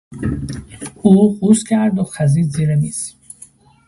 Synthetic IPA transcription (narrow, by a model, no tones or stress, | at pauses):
uːɢuscʰæɾd̪oxæziːd̪ziːɾemiːz̥